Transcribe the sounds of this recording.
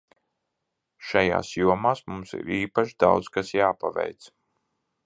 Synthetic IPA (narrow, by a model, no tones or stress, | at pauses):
ʃaja̰ːsjuɔmaːsmumsḭɾiːpaʃd̪awt̪skasjaːpavɛ̰jt̪s